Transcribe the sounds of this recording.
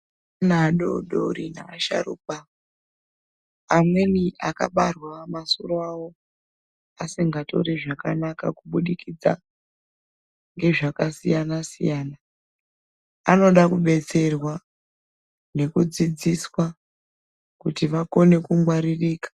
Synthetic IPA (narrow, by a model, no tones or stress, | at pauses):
naɗo̰ɗo̰ɾina̰aʃa̰ruːp̚a | mwe̞niʔaka̰ɓarwamasṵɾoawo̞ | asiŋɡato̞̰ɾeʐakanaka̰kuɓuɗikid͡za̰ | ŋɡe̞ʐakasijanasḭjaːna | ano̞ɗakuɓe̞t͡se̞rwa | ne̞kud͡zid͡ziswa | kutiʋako̞ne̞kuŋɡwaɾiriːkḁ